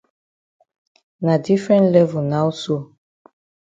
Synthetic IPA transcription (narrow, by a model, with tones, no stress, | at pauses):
na˨di˦fɾɛ̃˦ntlɛ˦vu˨nã˦wso˦˨